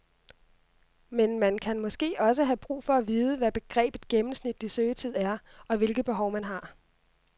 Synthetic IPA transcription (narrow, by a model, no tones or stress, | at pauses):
menmænkʰænmɒ̽sɡ̥e̝̰ːɒ̽s̬əɦæb̥ʁṵːfɒ̽æʋiːð̞ˠəʋæb̥e̝ɡ̥ʁɛ̰ːb̥ð̩ˠɡ̥emm̩snid̥lisøːt͡sʰið̞̰ˠæɐ | ʔɒ̽ʋe̝lɡ̥ð̩ˠb̥e̝ɦɒ̽ʊmænɦɑ̈